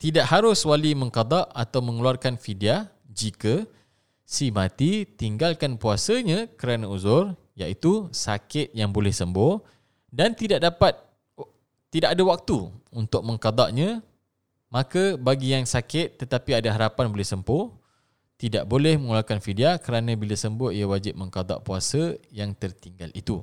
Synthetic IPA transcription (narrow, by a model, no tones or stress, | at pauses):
t̪idaʔhaɾʊswalimə̃ŋkad̪aʔat̪awmə̃ŋəluarkanfidia | d͡ʒikə | simat̪it̪iŋɡalkanpuasaɲãkəɾanãuzʊr | ja̰ʔit̪usa̰kɪt̪̚jaŋbolɛhsəmbɔh | dant̪idaʔ̚dapat̪̚ | t̪idaʔadawak̚t̪uunt̪ʊk̚mə̃ŋkad̪a̰ʔɲã | makəbaɡijaŋsakɪt̪ːət̪apiadaɦaɾapanbolɛhsəmpo | t̪ida̰ʔbolɛhmə̃ŋulakanfidiakəɾanãbilasəmboijawad͡ʒɪp̚mə̃ŋkad̪a̰ʔpuasəjaŋt̪ərt̪iŋɡalḭt̪ṵ